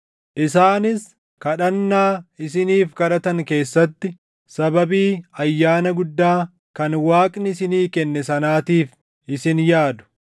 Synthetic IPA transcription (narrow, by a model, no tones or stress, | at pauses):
ʔɪsaːnɪs | kɐᶑɐnːaːɪs̬ɪniːfkɐᶑɐt̪ɐŋke̞ːsːɐt̪ːɪ | sɐbɐbiːɐjːaːnɐɡʊd̪ːaː | kɐnwaːkʼnɪsɪniːkɛnːɛsɐnaːt̪iːf | ɪsɪnjaːd̪ʊ̥